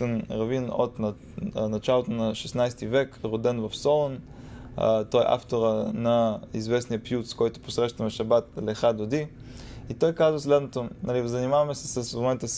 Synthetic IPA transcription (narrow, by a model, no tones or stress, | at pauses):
ɛnɾɐvino̰t̪nɐ | nɐt͡ʃalˠot̪onɐʃɛsnajst̪ivɛkɾod̪ɛnvɐfsɔlˠon | t̪ɔjʔa̰ft̪oɾənɐizvɛsnijəpjut̪skɔjt̪ʊ̥posɾɛʃt̪əvɛʃɐbat̪lɛxad̪od̪i | it̪ɔjkazvəslɛd̪not̪onalivzɐnimavɐmɛsɛ̥səsmomɛnt̪əs